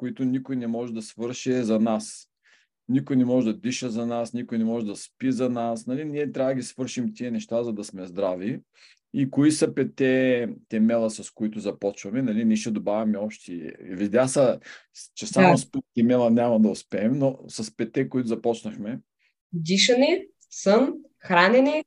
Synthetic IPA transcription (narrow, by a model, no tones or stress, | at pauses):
koit̪ʊnikojnɛmɔʒɛd̪ɐsvɤɾʃɛzɐnas | nikʊjnɛmɔʒɛd̪ɐd̪iʃəzɐnasnikʊjnɛmɔʒɛd̪ɐspizɐnasnɐlinʲiɛt̪ɾʲavəd̪əɡʲisvɤɾʃimt̪iənɛʃt̪azɐd̪ɐsmɛzd̪ɾavi | ikoisɐpɛt̪ɛt̪ɛmɛlˠɐsɐskoit̪ʊzɐpɔt͡ʃvɐmɛnɐliniɛʃɛd̪obavʲɐmɛɔpʃt̪ivid̪ʲjasɐt͡ʃɛsamospit̪ɛmɛlˠɐnʲamɐd̪ɐʊspɛːmnosɐspɛt̪ɛkoit̪ʊzɐpɔt͡ʃnɐxmɛ | d̪iʃɐni | sən | xɾanɛni